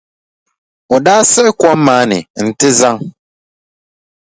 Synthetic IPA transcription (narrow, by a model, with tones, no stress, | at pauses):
ɔ˨daː˦sɛ˦kɔ˦m˦mã˨˦nɪ̰̃˨n̩˨tɪ˦za˦ŋ